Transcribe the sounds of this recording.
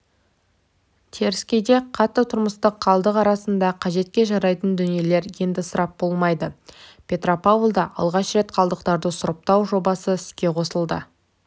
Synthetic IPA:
t̪ʰe̞ɾɪskʲe̞jd̪e̞qʰɑt̪ːət̪ʰʊɾməst̪əqʰːɑlˠd̪əqɑɾɑsənd̪ɑqʰɑʒe̞t̪̚kʲe̞ʒɑɾɑjt̪ənd̪ʏnije̞le̞ɾje̞nd̪ɪsəɾʔɑp̚bo̞lˠmɑjd̪əpʲʰe̞t̪ro̞pavlˠd̪ɑʔɑ̰lˠʁɑʃɾe̞t̪qʰɑlˠd̪əqt̪ɑɾd̪əsʊɾəp̚t̪ɑwʒo̞bɑsəɪskʲe̞qʰo̞səlˠd̪ə̰

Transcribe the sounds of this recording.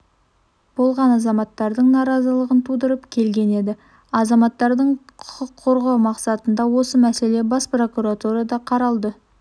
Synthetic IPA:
b̥o̞lˠʁɑnɑzɑmɑt̪ːɑɾd̪əɴnɑɾɑzəlˠəʁənt̪ʰud̪əɾəpkʲʰe̞lɡʲe̞ne̞d̪ɪ | ɑzɑmɑt̪ːɑɾd̪əɴqʰʊ̥qəqʰːo̞ɾʁɑwmɑqsɑt̪ənd̪ɑwo̞səmæse̞le̞bɑspro̞kuɾat̪uɾɑd̪ɑqʰɑɾɑlˠd̪ə

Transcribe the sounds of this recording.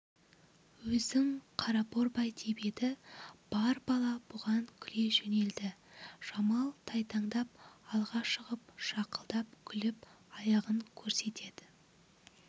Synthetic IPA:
wɵzd̪ɪŋqʰɑɾɑpoɾbɑjt̪ʰebe̞d̪ɪb̥ɑɾbɑlˠɑb̥ʊʁɑŋkʲʰʏle̞ʒene̞ld̪ɪʒ̥ɑmɑlˠt̪ʰɑjt̪ʰɑɴd̪ɑp̚ɑlˠʁɑʃəʁəpʃɑqə̥lˠd̪ɑp̚kʲʰʏlɪp | ɑjɑʁəŋkʲʰɵɾse̞t̪ʰe̞d̪̥ɪ

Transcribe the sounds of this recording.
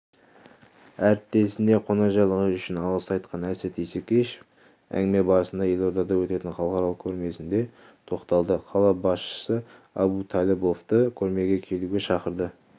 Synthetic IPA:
æɾɪp̚t̪ːe̞sɪne̞qʰo̞nɑʒɑjlˠəʁəʏʃɪnɑlˠəsɑjt̪̚qʰɑnæset̪ʰesekʲeʃe̥ | æ̰ŋɡɪme̞bɑɾəsənd̪ɑjelˠoɾd̪ɑd̪ɑwɵt̪e̞t̪ɪɴχɑlˠəqɑɾɑlˠəq̚kʲʰɵɾme̞sɪnd̪e̞ | t̪ʰo̞qt̪ɑlˠd̪əqʰɑlˠɑbɑsʃə̥sə | ɑ̰but̪ʰɑlʲebo̞ft̪əkʲʰɵɾme̞ɡʲe̞kʲʰe̞luɡʲe̞ʃɑqəɾd̪ə

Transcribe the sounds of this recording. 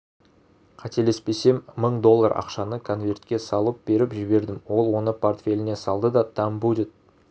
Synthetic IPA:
qʰɑt̪e̞le̞spe̞se̞mːəɴd̪o̞lˠːaɾɑ̰qʃɑnəkʰo̞nvʲe̞rt̪kʲe̞sɑlˠəp̚be̞ɾɪpʒɪβe̞ɾd̪ɪmwo̞lˠwo̞nəpʰo̞rt̪fʲe̞lʲɪne̞sɑlˠd̪əd̪ɑt̪ʰɑmbud̪ɪt̪̚

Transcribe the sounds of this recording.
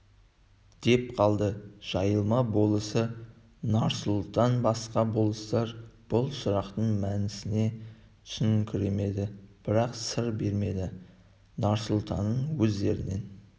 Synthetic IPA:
d̪̥e̞p̚qʰɑlˠd̪əʒ̥ɑjəlˠmɑbo̞lˠəsə | nɑɾsʊlˠt̪ɑnbɑsqɑbo̞lˠəst̪ɑɾb̥ʊlˠsʊɾɑqt̪əɴmænɪsɪne̞ | t̪ʰʏ̥sɪnɪkʲʰɪɾe̞me̞d̪ɪb̥ɪɾɑqsəɾbe̞ɾme̞d̪ɪ | nɑɾsʊlˠt̪ɑnːəɴwɵzd̪e̞ɾɪne̞n

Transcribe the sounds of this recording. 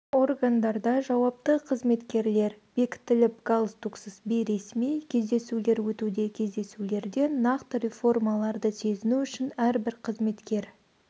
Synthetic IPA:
o̞rɡand̪ɑɾd̪ɑʒɑwɑp̚t̪əqʰəzme̞t̪kʲe̞ɾle̞ɾb̥e̞kʲɪ̥t̪ːɪlɪp̚ɡalˠst̪uksəsbijɾe̞smijkʲʰe̞zd̪e̞sule̞ɾwɵt̪ud̪e̞kʲʰe̞zd̪e̞sule̞ɾd̪e̞nːɑqt̪əɾʲe̞fo̞rmɑlˠɑɾd̪əse̞zɪnuʏʃɪnæɾbɪɾqʰəzme̞t̪kʲe̞ɾ

